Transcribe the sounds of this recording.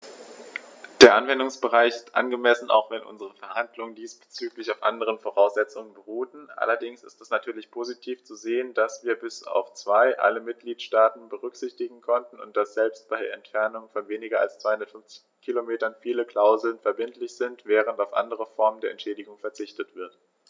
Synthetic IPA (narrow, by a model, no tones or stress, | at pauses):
d̥eːɐʔanvɛndʊŋsb̥əʁ̞aɪçɪstʔa̰nɡəmɛsn̩a̰ʊxv̥ɛnʔʊ̰nzəʁ̞əfɛɐhandlʊŋəndiːsb̥ə̥t͡syːklɪçaʊfʔa̰ndəʁ̞ənfoʁaʊsz̥ɛt͡sʊŋənbəʁuːtn̩ʔa̰lɐdɪŋsɪ̰stɛsnatʰyːɐlɪçpʰozitʰiːft͡suzeːəndasv̥iːɐbɪsa̰ʊft͡sv̥aɪʔa̰ləmɪt̚ɡ̥liːtʃtaːtn̩bəʁ̞ʏkz̥ɪçtɪɡŋ̩kʰɔntn̩ʊ̰nt̚d̥asz̥ɛlpst̚b̥aɪdeɐɛntfɛɐnʊŋfɔnveːnɪɡɐa̰lst͡sv̥aɪhʊndɐtfʏnft͡sɪ̥çkʰilomeːtɐnfiːləkl̥aʊzl̩nfɛɐbɪntlɪçz̥ɪntv̥ɛːʁ̞əntaʊfʔa̰ndəʁəfɔɐməndeːɐɛ̰ntʃɛːdɪɡʊŋfɛɐt͡sɪçtətv̥ɪɐt